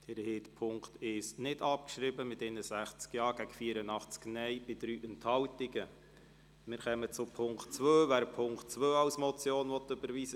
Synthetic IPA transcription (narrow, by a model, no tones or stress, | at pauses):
d̥ɛɾheːdəpʰʊŋktɪʃnɪdɑp̚kʃɾɪbəmɪtɪnəsæχt͡skjɑːɾɡ̥æɡ̥əfiːəɾənɑχt͡sknɛɪb̥ɪtɾyːʔɛnthɑltɪɡə | mɪːɾχɛmət͡sʊpʰʊŋktt͡svøːvæːɾpʰʊŋktt͡svøːɑwsmɔt͡sjoːnvɔtːʏbəɾʋiːsə